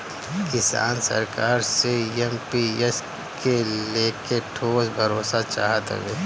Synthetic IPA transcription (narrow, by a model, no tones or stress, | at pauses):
kɪsa̰ːnsə̰ɾkaːɾseɛmpies | keleːkeʈʰoːsbʱəɾoːsat͡ʃaːɦət̪ə̰ɡeː